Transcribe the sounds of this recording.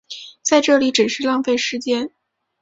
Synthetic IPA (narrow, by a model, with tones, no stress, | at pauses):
t͡sa˥˧ɪʈ͡ʂɤ˥˩li˧˥ʈ͡ʂɻ̩˨˩ʂɻ̩˥˧lɑ˥˧ŋfe˥˩ɪʂɻ̩˥t͡ɕjɛ˥n